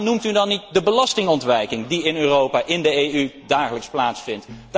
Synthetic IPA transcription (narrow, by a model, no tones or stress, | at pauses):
numtydɑnːit̚dəbəlɑstɪŋɔntʋɛjkɪŋdiɪnøːrowpaːʔɪndəejydaːχələksplaːtsfɪntd